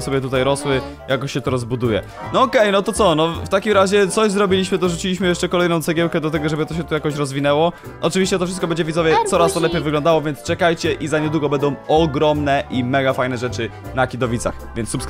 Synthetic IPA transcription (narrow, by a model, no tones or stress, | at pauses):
sɔbʲɛt̪ut̪ajɾɔswɘ | jakɔɕɕːɛt̪ɔɾɔzbud̪ujɛ̰ | nɔɔkɛjnɔt̪ɔt̪sɔnɔft̪akʲimɾaʑɛt̪sɔʑzɾɔbʲilʲiɕmɘd̪ɔʐut͡ɕilʲiɕmɘjɛʂt͡ʂɛkɔlɛjnɔ̃w̪̃sɛɡʲjɛwkɛd̪ɔt̪ɛɡɔʐɛbɘt̪ɔɕ̬ɛt̪ujakɔɕɾɔzvʲinɛwɔ | ʔɔt͡ʂɨvʲiɕt͡ɕɛt̪ɔfʂɘst̪̚kɔbɛɲd͡ʑɛvʲizɔvʲjɛt̪sɔɾast̪ɔlɛpʲjejvɘɡlɔ̃nd̪awɔvʲjɛnt̪st͡ʂɛkajt͡ɕɛʔizaɲɛd̪wuɡɔbɛnd̪ɔ̃w̃ɔɡɾɔmnɛʔimɛɡafajnɛʐɛt͡ʂɘnakʲid̪ɔvʲit̪sa̰xvʲjɛnt̪ssups